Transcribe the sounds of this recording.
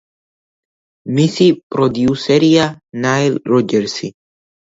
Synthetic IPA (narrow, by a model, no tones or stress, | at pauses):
misipʼɾɔd̪iusɛɾianailɾɔd͡ʒɛɾsi